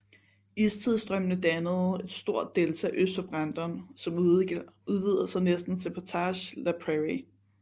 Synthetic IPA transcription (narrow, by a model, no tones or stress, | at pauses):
ist͡sʰiðˠsd̥ʁœmnəd̥ænəð̞̩ˠe̝d̥sd̥o̝ɐ̰d̥ːelt͡sʰææʔøsd̥ɒb̥ʁɑ̈nd̥ɐːnsɒ̽m | uð̞ˠʋið̞ˠɐsɑ̈ɪnesd̥n̩sʰepʰot͡sʰɑɕlæpʰʁeʁi